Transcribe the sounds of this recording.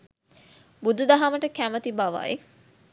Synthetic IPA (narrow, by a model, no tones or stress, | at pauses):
bud̪ud̪aɦaməʈəkæmət̪ibaʋa̰ḛ